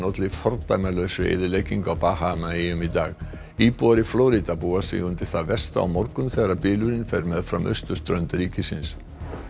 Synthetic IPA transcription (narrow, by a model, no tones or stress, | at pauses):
not̪lɪfɔɾt̪ajmalœɥsʏḛjðɪɾlejciŋkawpahamaejʏmit̪aːɣ | iːpuaɾɪflɔwɾit̪apuːasɪ̰ɣʏnt̪ɪɾ̥θaðvɛ̥st̪a̰a̰wmɔɾkʏmθɛɣɾapɪːlʏɾɪnfɛjɾmɛðfɾa̰mʔœ̰ɥst̪ʏst̪ɾœɥnt̪ɾiːcɪsɪ̰ns